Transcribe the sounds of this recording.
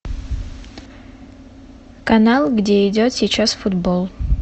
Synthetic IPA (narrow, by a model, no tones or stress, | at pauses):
kɐnalˠɡdʲe̞idʲo̞t̪sʲit͡ʃʰasfut̪bo̞lˠ